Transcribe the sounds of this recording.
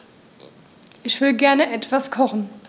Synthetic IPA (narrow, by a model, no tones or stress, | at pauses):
ʔɪçv̥ɪəɡɛɐnəʔɛtv̥askʰɔχn̩